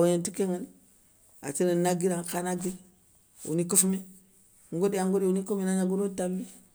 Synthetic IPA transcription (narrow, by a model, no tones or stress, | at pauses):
woantukeŋən | a̰t͡ʃinənaɡiɾaŋkanaɡiɾ | ṵnikufmi | ŋɡodiaŋɡodiunikuminaɲaɡuɾotamːi